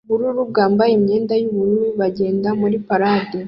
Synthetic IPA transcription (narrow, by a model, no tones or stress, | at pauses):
βuɾuɾub̚ɡaːmbajemɲe̞ːndajuβuɾuɾuβaɟe̞ːndamuɾipaɾaːde